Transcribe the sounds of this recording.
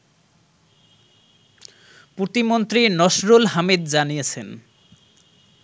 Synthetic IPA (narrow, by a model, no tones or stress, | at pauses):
put̪imont̪ɾinɔʃɾolɦamid̪d͡ʑanijet͡ɕʰen